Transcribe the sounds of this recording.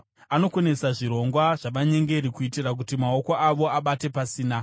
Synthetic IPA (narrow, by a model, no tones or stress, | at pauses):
ano̞kwe̞ne̞saʐiɾo̞ŋɡwaʐ̥aʋaɲe̞ŋɡe̞ɾikuitirak̬utimao̞ko̞ʔaʋo̞aɓate̞pasiːna